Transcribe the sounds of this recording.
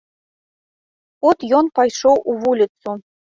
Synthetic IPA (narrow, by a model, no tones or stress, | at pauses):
ot̪jonpɑjʂowʔuβulʲit̪t͡su